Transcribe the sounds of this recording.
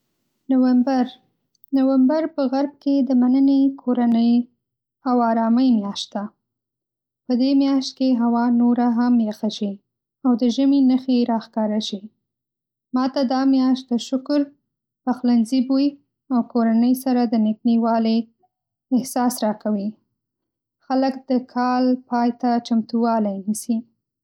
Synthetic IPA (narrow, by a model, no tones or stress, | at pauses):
nawambaɾ | nawambaɾpəɣaɾb̚ked̪əmanənekʰoɾanəj | awɑɾɑməjmjɑʃt̪̚d̪a | pəd̪emjɑʃt̪̚keɦawɑnoɾaɦamjaxaʃi | awd̪əʒəminəxeɾɑxkɑɾaʃi | mɑt̪ad̪ɑmjɑʃt̪̚d̪əʃʊkʊɾ | paxlanzibui | awkoɾanəjsaɾad̪ənɪkniwɑle | ɪhsɑsɾɑkawi | xaləkd̪̥əkʰɑlpɑjt̪at͡ʃamt̪uwɑlajnisi